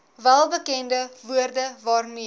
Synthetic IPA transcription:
vælˠbəkɛndəvuərdəvɑːrmi

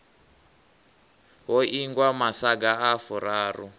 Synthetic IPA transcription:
ɦɔʔiŋɡwamasaɡaafuɾaːrṵ

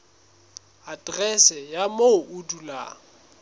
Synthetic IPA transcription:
adʼrɛsɛjamoudula̰ːŋ̩

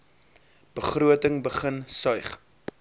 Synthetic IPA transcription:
b̥əχruətəŋbəχənsœjχ

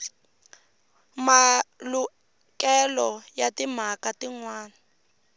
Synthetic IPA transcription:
malu | kɛlɔjatim̤akatiŋwaːna

